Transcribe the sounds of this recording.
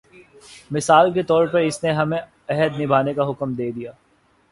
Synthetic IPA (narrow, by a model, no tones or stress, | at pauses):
mɪsaːlk̬et̪ɔːɾpɐɾɪsneɦɐmẽ | ɛɦəd̪nɪbʱaːnekaɦʊkmd̪eːd̪ijaː